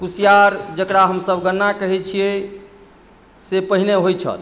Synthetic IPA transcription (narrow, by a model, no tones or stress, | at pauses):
pusijaɾd͡ʒəkɽaɦəmsəbɡənːakəɦɛt͡ʃʰije | sepəɦineɦojt͡ʃʰə̰t̪